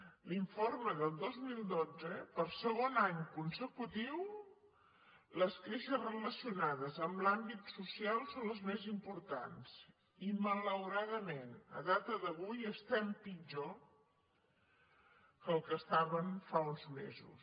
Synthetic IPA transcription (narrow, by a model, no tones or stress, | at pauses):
liɱforməðəlˠd̪ozmilˠd̪od͡zəpəɾsəɣonaɲkunsəkut̪iw | ləskɾeʃəzrələsiunaðəzəmblambit̪susialˠsonləzmezimpuɾt̪a̰ns | imələwɾaðəmenə̰ðat̪əðəβujəst̪ɛmpid͡ʒo | kəlˠkəst̪aβənfaunzmḛzṵs